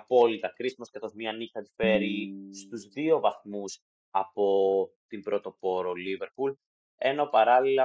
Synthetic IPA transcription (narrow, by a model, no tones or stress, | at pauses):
ɐpolit̪ɐkɾisimɐskɐθo̞zmiɐnixɐfe̞ɾist̪uzðio̞vɐθmus | ɐpo̞t̪imbɾo̞t̪o̞po̞ɾo̞live̞ɾpul | eno̞pɐɾɐlilɐ